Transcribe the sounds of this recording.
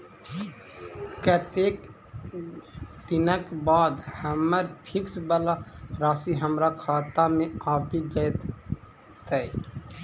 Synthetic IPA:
kət̪eːk | d̪inəkbaːd̪həməɾpʰɪksbəlaɾaːsiɦəmɾakʰaːt̪amẽaːpiɡəjt̪ | t̪əj

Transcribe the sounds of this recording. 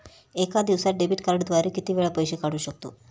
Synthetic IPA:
eːkaːd̪iʋsaɖebiʈkɐɾɐɽd̪ʋaːɾikit̪iʋeːɭɐpojʃikaɽuʃok̚t̪ṵ

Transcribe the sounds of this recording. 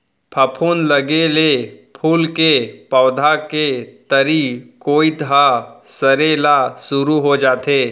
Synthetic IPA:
pʰɐpʰuːnləɡelepʰuːlkepəʊd̪ʱaket̪əɾikoːid̪ʱɦasəɾelasʊɾuɦod͡ʒaːt̪eː

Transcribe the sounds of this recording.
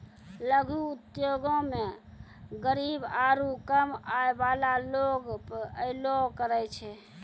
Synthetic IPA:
ləɡʱuːt̪joɡõme | ɡəɾibaɾukəmaebalaloɡpəɾəjlokəɾɛt͡ʃʰɛ

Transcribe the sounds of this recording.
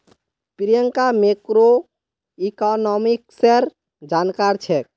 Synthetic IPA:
piɾijəŋkamekɾo | ikɔnɔmikseɾ | d͡ʒankaɾt͡ʃʰɛ

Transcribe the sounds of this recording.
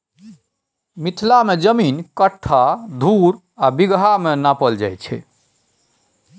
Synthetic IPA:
mit̪ʰlamed͡ʒəminkəʈʰːad̪ʱuɾ | abiɡɦamenapəld͡ʒa̰jt͡ʃʰɛ̰

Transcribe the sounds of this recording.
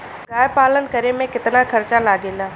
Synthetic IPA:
ɾaːjpaːlənkəɾemẽkɪt̪nakʰɐɾt͡ʃalaːɡeːlaː

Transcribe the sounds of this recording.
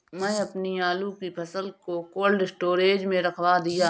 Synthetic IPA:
mɛ̃ɐpniaːlukipʰɐsəlkokoːlɖɪsʈoːɾeːd͡ʒmẽɾɐkʰwad̪ijaː

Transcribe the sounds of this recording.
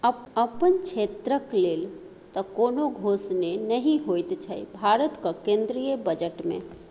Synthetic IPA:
əəpənt͡ʃʰet̪ɾəklel | t̪ɔkonoɡʱosnenəɦĩɦojt̪t͡ʃʰəjbʱaɾət̪kəkẽnd̪ɾijəbəd͡ʒəʈmḛ̃

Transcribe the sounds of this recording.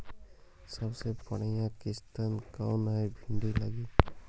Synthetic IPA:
səbsepəɽəjãkɪst̪ənkawnajbʱiɳɖilə̰ɡiː

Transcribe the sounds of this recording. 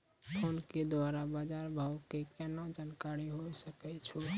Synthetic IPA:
onked̪waɾabad͡ʒaɾbʱawkekɛnad͡ʒankaɾiɦojsəkɛt͡ʃʰu

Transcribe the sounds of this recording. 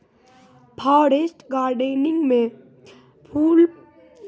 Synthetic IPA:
pʰaːɾesʈɡaːɾɖenɪ̃ŋɡmẽ | pʰuːl

